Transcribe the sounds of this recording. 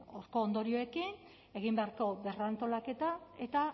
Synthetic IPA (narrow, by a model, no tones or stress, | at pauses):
oɾko̞ːnd̪o̞ɾio̞e̞kin | e̞ɣimbeaɾko̞βe̞rant̪o̞lake̞t̪ae̞t̪a